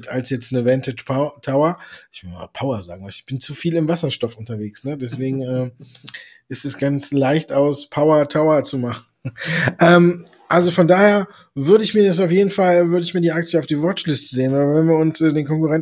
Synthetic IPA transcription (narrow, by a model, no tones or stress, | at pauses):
ta̰lsjɛt͡stnəvɛntɪt͡ʃptʰaʊɐʔɪçv̥ɪlma̰ːpʰaʊɐza̰ːɡŋ̩vasɪçb̥ɪnt͡sufiːlɪmvasɐʃtɔfʔʊntɐveːksnədɛsv̥eːɡŋ̩ɛː | ʔɪstɛsɡ̥ant͡slaɪçtaʊspʰaʊɐtʰaʊɐt͡sumaχn̩ʔɛːm | ʔalzofɔndaːheːɐ | vʏɐɾəɪçmiːɐdas̬aʊfjeːdn̩falvʏɐɾəɪçmiːɐdiːʔak̚t͡sjəaʊfd̥iːvɔt͡ʃlɪstəzeːənvavɛnviːɐʊnsʔɛːdeːnkʰɔŋkuʁɛn